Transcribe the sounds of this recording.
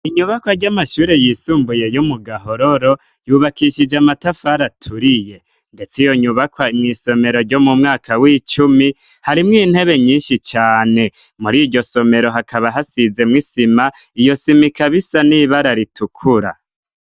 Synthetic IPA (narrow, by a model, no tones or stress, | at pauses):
iɲuβakwaɾɟamaʃuːɾe̞jisuːmbuje̞jumuɡaɦo̞ɾoɾo̞ | juːβakiʃid͡ʒamatafaɾatʰuɾije̞ | nde̞t͡sijo̞ɲuβakwaimŋiso̞me̞ɾo̞ɾɟo̞mumŋaːkʰawiːt͡ʃumihaɾimŋiːn̥he̞βe̞ɲiːnʃit͡ʃaːne̞muɾiɾɟo̞so̞me̞ɾo̞ɦakʰaβaɦasize̞mwisimaijo̞simikaβisaniβaɾaɾitukʰuɾa̰